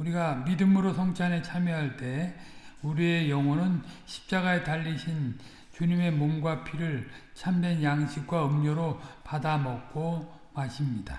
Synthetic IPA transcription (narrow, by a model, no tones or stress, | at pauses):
uɾiɡamidɯmɯɾosʰʌŋt͡ɕʰane̞t͡ɕʰamjʌɦaɭt͈e̞ | uɾie̞jʌŋonɯnɕʰi̥p̚t͡ɕ͈aɡaetaʎːiɕʰin | t͡ɕuɲime̞momɡwapʰiɾɯɭt͡ɕʰamdwe̞njaŋɕʰik̚k͈waɯmɲʌɾopadamʌk̚k͈o | maɕʰimɲida̰